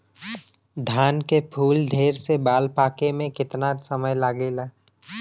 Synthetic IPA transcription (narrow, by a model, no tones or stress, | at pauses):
d̪ʱaːnkepʰuːlɖʱeːɾsebaːlpaːkemẽkɪt̪nasəməjlaːɡeːlaː